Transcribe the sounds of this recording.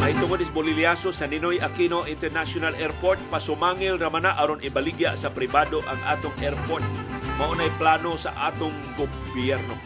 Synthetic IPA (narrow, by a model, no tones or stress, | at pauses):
ʔɐjt̪ʊŋod̪ɪsbolɪljasosɐnɪnojʔɐkinoʔɪnt̪ɛɾnasjonalʔɛɾpoɾt̪̚pɐsʊmaːŋɪlɾɐmanaʔɐɾonɪbɐliɡja̰ʔsɐpɾɪbaːd̪oʔɐŋʔa̰ːt̪oŋʔɛɾpoɾt̪̚mɐʔonɐjplaːnosɐ̰ʔa̰ːt̪oŋɡo | bjɛɾno